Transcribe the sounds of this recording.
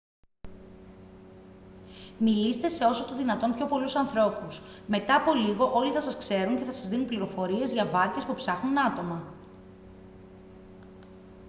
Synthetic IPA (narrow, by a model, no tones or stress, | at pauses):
milist̪e̞se̞o̞so̞t̪o̞ðinɐt̪o̞mpço̞po̞lusɐnθɾo̞pusme̞t̪ɐːpo̞liɣo̞ʔo̞liθɐsɐskse̞ɾunceθɐsɐzðinunpliɾo̞fo̞ɾie̞zʝɐvɐɾce̞spupsɐxnunɐt̪o̞mɐ